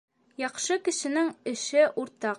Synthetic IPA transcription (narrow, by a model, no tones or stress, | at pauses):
jɒχʃɤkɘ̆ʃɘ̆nɘŋɘ̆ʃɘʔuɾt̪ɑq